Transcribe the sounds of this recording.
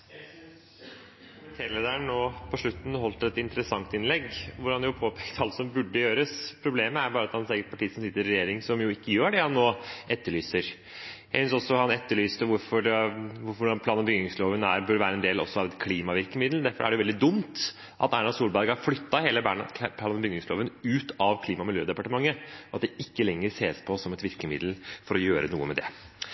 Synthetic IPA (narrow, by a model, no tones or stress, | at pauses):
t̪ʰeːɾleːd̪əɾəɳnoːpʰɔʂɭʉt̪n̩ɦɔlt̪ɛt̪ɪnt̪əɾəsɑŋt̪ɪnlɛɡʋʊɾhɑnjʊpʰoːpʰɛkt̪ʰɑlt̪sɔmbʉɖːəjøːɾəspʰɾʊbleːməæɾbɑːɾəɑt̪hɑnseːɡəʈpɑʈiːsɔm̩sɪt̪ːəɾɾɛjeːɾɪŋsɔmjʊɪkːəjøːɖɛhɑnːoːɛt̪ːəɭyːsəɾ | jjæɪsʏnsɔsːɔhɑnɛt̪ːəɭyːst̪ʋʊɾfɔʋʊɾfɔpʰlɑːnbʏɡnɪŋsloːʋənæɾbœɾʋæːɾəɛnd̪eːlɔ̰sːɔɑʋɛt̪kʰliːmɑʋɪɾkəmɪd̪l̩d̪æɾfɔæ̰ɖɛjʊʋɛld̪ɪd̪ʊmt̪ | ʔɑ̰t̪æɳɑd̪suːlbæɾɡɑhɑɾflʏt̪ːɑheːləbæɳp̪ʰɑːnbʏɡnɪŋsloːʋənʉːt̪ɑʋkʰliːmɑmɪljøːd̪ɛpɑʈəmɑŋːəɔɑt̪̚d̪ɛɪkːəlɛŋːəɾseːspʰɔsɔmɛt̪ʋɪɾkəmɪ̰d̪l̩fɔɾɔjøːɾənṵːəmɛd̪ɛ̰